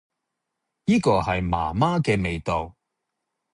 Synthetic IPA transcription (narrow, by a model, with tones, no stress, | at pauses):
jiː˥kɔː˧hɐ˨jma̰ː˨˩maː˥kɛː˧me˨jt̪o˨w